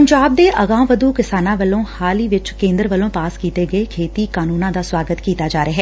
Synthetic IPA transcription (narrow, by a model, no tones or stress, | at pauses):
pəɲd͡ʒaːb̚d̪eːʔəɡãːmʋəd̪uːkɪsaːnãːʋəlõːhaːliːʋɪt͡ʃkẽːnd̪əɾʋəlõːpaːskiːt̪eːɡəekʰeːt̪iːkaːnuːnãːd̪aːswaːɡət̪kiːt̪aːd͡ʒaːɾeaːɦɛː